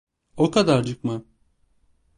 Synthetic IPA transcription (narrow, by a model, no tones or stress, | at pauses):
okad̪aɾd͡ʒɯkma